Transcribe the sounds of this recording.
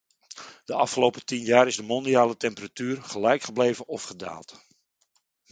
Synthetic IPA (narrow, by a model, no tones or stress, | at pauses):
d̥əɑfχəlowpətinjaːɾɪzdəmɔndiaːlətɛmpəratyːrχəlɛjkχəblejvənɔfχəda̰ːlˠt